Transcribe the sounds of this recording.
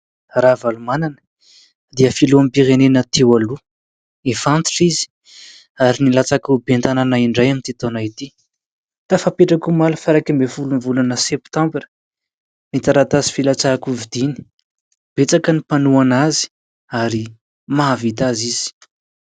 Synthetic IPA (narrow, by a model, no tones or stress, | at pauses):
ravalumananə̥ | d̪iəfiluamipiɾenenət̪ʰewalu | efant̪i̥ʈ͡ʂizi̥ | aɾinilat͡sakubent̪ananaiɳɖ͡ʐajamint̪it̪onait̪i | t̪afapeʈ͡ʂakumalufaɾakimbefulunivulanəsept̪ãmbɾə̥ | mit̪aɾat̪azi̥filat͡sakuvid̪̥ini̥ | b̥et͡sakənipanuanazi̥ | aɾi | mavit̪aziz̥i̥